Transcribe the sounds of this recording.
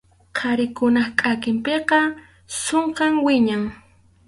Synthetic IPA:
qʰɑɾɪkʊnɑχkʼakɪmpeqɑ | soɴqɑŋwɪɲaŋ

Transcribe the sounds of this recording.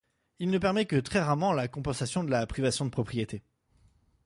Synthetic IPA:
ilnəpɛʁmɛkət̪χɛʁaʁmɑ̃lakɔ̃pɑ̃sasjɔ̃d̪əlapχivasjɔ̃d̪əpχɔpχijet̪e

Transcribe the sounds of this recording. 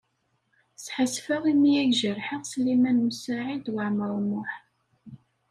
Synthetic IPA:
sħəsfəʁimijæʝʒəɾħiʁslimænməsaʕid̪wəʕməɾˤmʊħ

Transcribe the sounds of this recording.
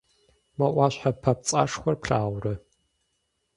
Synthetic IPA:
wɐʔʷaɕħapʰɐp̚t͡sʼa̰ʂxʷɔrpɬaːwrɐ

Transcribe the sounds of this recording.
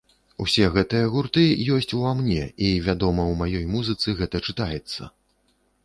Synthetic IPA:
ṵsʲɛɣɛt̪ɨjɐɣurt̪ɨjɔsʲt͡sʲuamnʲɛivʲad̪ɔmɐwmajɔjmuzɨt̪sɨɣɛt̪ɐt͡ʂɨt̪ajɛt̪sːɐ̰

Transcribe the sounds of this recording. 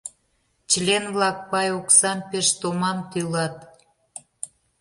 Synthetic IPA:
t͡ɕlʲenβlɑk̚pɑjoksɑmpeʃt̪omɑmt̪ylɑt̪

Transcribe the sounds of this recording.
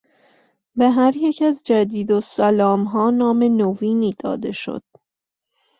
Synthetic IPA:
beɦæɾjecʰæzd͡ʒæd̪iːd̪osælɒːmɦɒːnɒːme̞noviːniːd̪̥ɒ̰ːd̪e̞ʃo̰d̪̥̚

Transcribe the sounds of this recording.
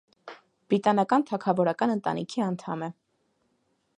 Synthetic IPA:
b̥ɾit̪ɑnɑkɑnt̪ʰɑkʰɑvɔɾɑkɑnənt̪ɑ̰nḭkʰiɑnt̪ʰɑmɛ

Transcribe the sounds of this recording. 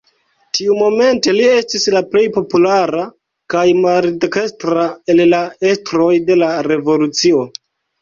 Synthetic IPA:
tiumo̞me̞nte̞lie̞stislaple̞jpo̞pulaɾa | kajmaldekestɾae̞llaestɾo̞jde̞laɾe̞vo̞lut͡sio̞

